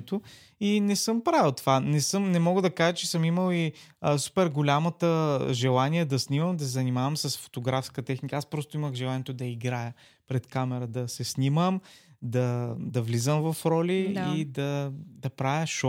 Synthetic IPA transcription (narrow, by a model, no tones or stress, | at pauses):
t̪o | inɛsɤmpɾavəlˠt̪ovanɛsɤmnɛmɔɡəd̪ɐkaʒət͡ʃɛsɤmiməlˠiəsu̥pɛɾɡolʲamət̪əʒɛlˠaniɛd̪ɐsniməmd̪ɐsɛzɐnimavəmsɐsfo̥t̪oɡɾafskət̪ɛxnikaspɾɔst̪oiməxʒɛlˠanʲiɛt̪od̪ɐiɡɾajə | pɾɛt̪kamɛɾəd̪ɐsɛsniməmd̪ɐd̪ɐvlizəmvɐfɾɔlʲiːd̪ɐd̪ɐpɾavjəʃɔ